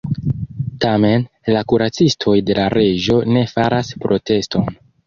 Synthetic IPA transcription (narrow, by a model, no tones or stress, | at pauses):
tame̞n | lakuɾat͡sistʰo̞jde̞laɾe̞ʒo̞ne̞faɾaspɾo̞te̞sto̞n